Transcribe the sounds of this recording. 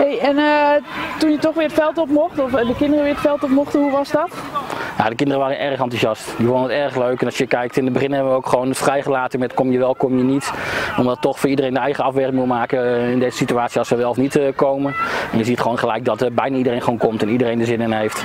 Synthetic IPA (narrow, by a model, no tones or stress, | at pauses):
hejɛn | tunjətɔχʋɪːətfɛlˠtɔpmɔχtɔfdəkɪndərəʋɪːɹətfɛlˠtɔpmɔχtəɦuʋɑzdɔtja̰dəkɪndərəʋaːɾənʔɛrχɑntuzjɑstdifondənətɛrχløɥkɛnɑsjəkɛjk̚tɪndəbəχɪnhɛbəʋəowkχʋownətfrɛjχəlaːtəmɛətkɔmjəʋɛlˠkɔmjənitɔmdɔtːɔxfʊːidərejndəɛjχəɑfʋɛɹrɪŋmumaːkəɪndejzəsityaːtsiɑsəʋɛlˠfnitkowməɛnjəziətχʋoːnχəlɛjk̚dɔtbɛjnaːidərejnχəʋownkɔmtɛnidərejndəzɪnənejft